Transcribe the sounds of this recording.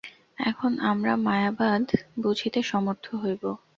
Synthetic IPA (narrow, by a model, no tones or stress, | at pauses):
ɛkʰonamɾamajabad̪ʱbod͡ʑʱʰit̪eʃɔmoɾt̪ʰoɦojbo